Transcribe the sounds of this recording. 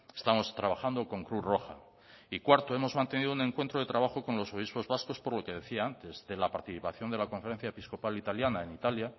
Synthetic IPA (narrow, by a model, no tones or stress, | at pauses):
e̞st̪amo̞st̪ɾaβ̞axand̪o̞ko̞ŋkɾuro̞xa | ikwaɾt̪oe̞mo̞zmãnt̪e̞niðounẽ̞ŋkwe̞nt̪ɾoðe̞t̪ɾaβaxo̞ko̞nlo̞so̞β̞ispo̞zβasko̞spo̞ɾlo̞ke̞ðe̞θiaant̪e̞zðe̞lapaɾt̪iθipaθjo̞nd̪e̞lako̞ɱfe̞ɾe̞n̟θjaepisko̞palit̪aljanae̞nit̪alja